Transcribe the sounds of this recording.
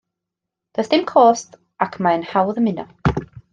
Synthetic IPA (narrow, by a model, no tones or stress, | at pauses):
d̥əsd̥ɪmkʰoːst | akʰmaənhawðəmɪnɔ